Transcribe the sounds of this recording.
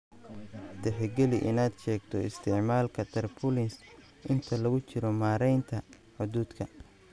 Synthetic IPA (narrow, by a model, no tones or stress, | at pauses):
d̪̥ɛħɪɡɛlɪʔɪnaːd̪ʃɛːɡt̪ʰɔɪst̪ʰɪʕmaːlkʰɐt̪ʰɐrpʰʊlɪns | ʔɪnt̪ʰɐlɐɣʊt͡ʃɪɾɔmaːɾɛjnt̪ʰɐ | ħʊðuːd̪kʰɐ